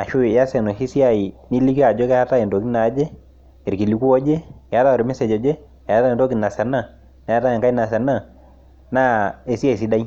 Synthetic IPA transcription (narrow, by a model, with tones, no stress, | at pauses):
a˨ʃʊ˦˨ja˦sɛ˨nɔ˨ʃi˦si˦a˦˨i˨ni˦li˦ki˦a˨d͡ʒɔ˦kɛ˦ja˦ta˦ɛ˨ndo˨ki˦na˨˦d͡ʒɛ˦ | e˨ɾki˨li˨ku˦ɔ˦d͡ʒɛ˦ja˨˦ta˦ɔ˨ɾɪ˨mɪ˦sɛ˨d͡ʒɔ˨d͡ʒɛ˦ | jja˦ta˦˨ndo˦ki˨na˨sɛ˨na˦˨ | na˨˦ja˦ta˦jɛ˨ŋka˦i˦na˨sɛ˨na˦˨ | na˦e˨sa˦˨i˨s̬i˦da˦i˦